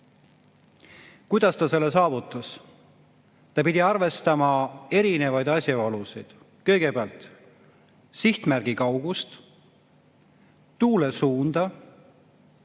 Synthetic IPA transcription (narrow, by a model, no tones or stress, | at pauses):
kujd̪̥ɑst̪ɑse̞lːes̬ɑːvut̪ːˑɑs | t̪ɑpid̪ʲiɑrve̞st̪ɑmɑe̞ɾine̞vɑjd̪ɑsʲjɑolusijd̪̥ | kɤ̞jɡ̥e̞peɑlt̪ | siht̪mærɡ̥ikɑwɡ̥ust̪ | t̪uːlesuːnd̪̥ɑ